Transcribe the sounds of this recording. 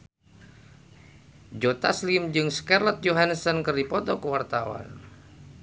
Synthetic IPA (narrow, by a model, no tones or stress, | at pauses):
d͡ʒot̪aslimd͡ʒɨŋskarlɔt̪̚d͡ʒoɦansɔnkɨrdipɔt̪ɔkəwart̪awa̰n